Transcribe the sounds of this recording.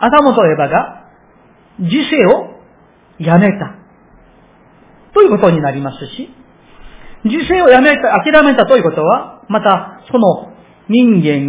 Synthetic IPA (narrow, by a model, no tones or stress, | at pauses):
ad̪amot̪o̞e̞baɡa | d͡ʑise̞ːo̞ | jame̞t̪a | t̪o̞jɯ̟ko̞t̪oɲ̟inaɾʲimasɨɕi | d͡ʑise̞ːo̞jame̞t̪aakʲiɾame̞t̪at̪ojɯ̟ko̞t̪o̞βamat̪asono̞ | ɲ̟ĩŋɡẽ̞ŋ